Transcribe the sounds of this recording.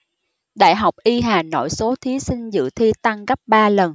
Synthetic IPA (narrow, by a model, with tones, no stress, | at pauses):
ɗa̰ː˧˨jɦa˨˩wk͡p̚ʔi˧ɦaː˨˩no̰˧˨jso˨˦t̪ʰi˨˦sï˧ŋzɨ̰˧˨t̪ʰi˧t̪a˧ŋɣa˦˥p̚ɓaː˧lə˨˩n